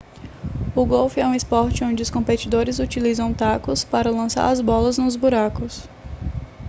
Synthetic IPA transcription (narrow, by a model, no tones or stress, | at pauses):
ʊɡowfɪɛũɪspɔɾt͡ʃɪõd͡ʒɪʊskõmpet͡ʃid̪oɾɪzut͡ʃilizɐ̃w̃t̪akʊspaɾɐlɐ̃sa̰ɾɐzbɔlɐznʊ̃zbuɾakʊs